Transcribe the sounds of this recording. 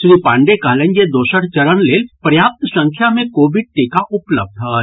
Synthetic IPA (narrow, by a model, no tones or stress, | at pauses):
ʃɾipãːɳɖekɐɦlẽnd͡ʒed̪oːʃəɽt͡ʃɐɾənleːlpɾɐjaːp̚t̪sɐ̃ŋkʰjamẽkoːʋɪɖ̚ʈeːkaʔʊpləb̚d̪ʱɦa